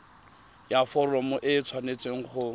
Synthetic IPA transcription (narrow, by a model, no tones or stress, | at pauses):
jafɔrɔmʊʔɪt͡sʰwanet͡seŋ̩χʊ